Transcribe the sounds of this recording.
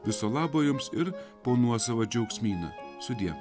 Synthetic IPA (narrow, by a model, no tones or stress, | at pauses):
ʋʲɪsoːlˠɑːboːjʊmsɪɾpoːnuɔsɐʋɐd͡ʒʲɛʊksʲmʲiːno̰ːsʊd̪ʲiɛ